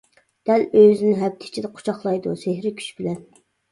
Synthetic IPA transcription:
d̪̥ɛløzɪnɪɦɛp̚t̪ʰɪ̥t͡ʃʰid̪ɛqʰo̥t͡ʃʰɑχlˠɑjd̪usehɾɪkʲʰy̥ʃbɪlɛn

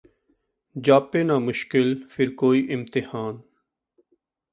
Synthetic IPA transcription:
d͡ʒaːpeːnaːmʊʃkɪlfʰɪɾkoːiːʔɪmt̪ɪhaːn

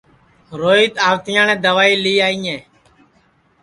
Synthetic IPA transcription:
ɾoːiːt̪aːʋt̪ɪjãːnɛ̃ːd̪əʋaːiːliːaːiːẽː

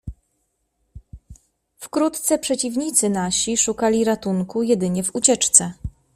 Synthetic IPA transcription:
fkɾut̪t̪sɛpʂɛt͡ɕivɲit̪sɘnaɕiʂukalʲiɾat̪uŋkujɛd̪ɘɲɛvut͡ɕɛt͡ʂt̪sɛ

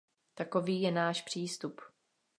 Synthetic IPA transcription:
t̪ako̞viːjɛnaːʃpr̝̥iːst̪up

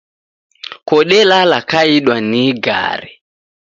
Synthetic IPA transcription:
kɔɗɛlalakaiɗwaniɡa̰ːɾi

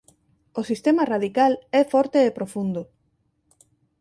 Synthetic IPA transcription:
osist̪emarað̞ikalɛfɔɾt̪eːpɾofund̪ʊ

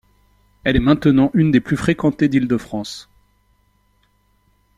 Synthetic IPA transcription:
ɛlɛmɛ̃t̪nɑ̃ʔynd̪eplyfχekɑ̃t̪ed̪ild̪əfχɑ̃s

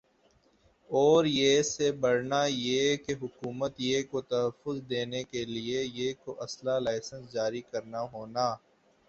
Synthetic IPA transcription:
ɔːɾjesebɐɽnajekeɦʊkuːmət̪jekot̪ɐɦəfːʊzd̪eːnekeliejeːkoʔɐslalaːɪsə̃nsd͡ʒaːɾikɐɾnaɦoːnaː

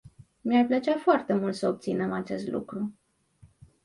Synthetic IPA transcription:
miarplət͡ʃafoart̪e̞mult̪səob̚t̪sinemat͡ʃe̞st̪lʔṵkɾu

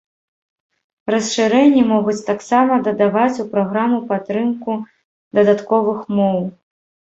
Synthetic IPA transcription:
rɐsʂɨɾɛnʲːimɔɣut͡sʲt̪aksamɐd̪ɐd̪avat͡sʲupɾaɣɾamupat̪ːɾɨmku | d̪ɐd̪at̪kɔvɨxmɔw

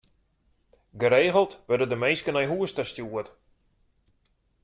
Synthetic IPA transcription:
ɡəɾeːɣəlˠtʋødədəmejskənɛjɦuəstəstjuət

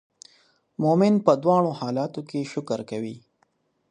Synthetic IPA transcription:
momɪnpəd̪wɑːɽ̃ohɑːlɑːt̪okeʃʊkəɾkawi

